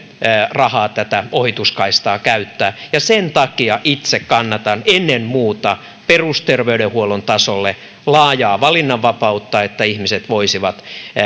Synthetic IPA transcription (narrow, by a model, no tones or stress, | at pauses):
rɑhɑːt̪æt̪æohit̪uskɑist̪ɑːkæyt̪ːæːjɑsent̪ɑkiɑʔit̪sekkɑnːɑt̪ɑnenːemmuːt̪ɑ | perust̪erʋeydehuolont̪ɑsolːe | lɑːjɑːʋɑlinːɑʋʋɑpɑut̪ːɑet̪ːæihmiset̪ʋoisiʋɑt̪